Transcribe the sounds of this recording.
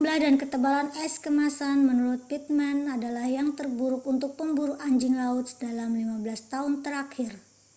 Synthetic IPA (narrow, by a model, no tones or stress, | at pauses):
bəlahdankət̪əbalanɛskəmasanmənuɾʊt̪̚pit̪̚mɛnadalahjaŋt̪ərbuɾʊkunt̪ʊk̚pəmbuɾuaɲd͡ʒɪŋlaʊt̪sdalamlimabəlast̪aɦʊnt̪əɾakʰɪr